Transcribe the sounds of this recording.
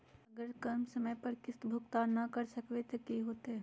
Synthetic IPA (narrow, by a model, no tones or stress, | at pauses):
ɐɡəɾkɐɾmsɐməjpɐɾkɪst̪bʱʊkt̪aːnːɐkɐɾsɐkʋet̪ekiɦoːt̪e